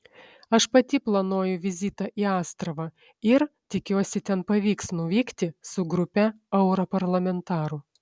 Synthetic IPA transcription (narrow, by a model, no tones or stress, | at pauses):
ɐʃpɐt̪ʲɪplˠɐnoɔjʊʋʲɪzʲiːt̪ɑʔiːɑːst̪ɾɐʋɑ | ɪɾt̪ʲɪkʲuɔsʲɪt̪ʲɛnpɐʋʲiːksnʊʋʲiːkt̪ʲɪsʊɡɾʊpʲɛ | ɛʊɾopɐɾlˠɐmʲɛnt̪ɑːɾʊ